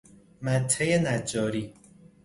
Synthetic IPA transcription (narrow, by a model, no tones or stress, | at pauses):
mæt̪ʰːejenæd͡ʒːɒːɾiː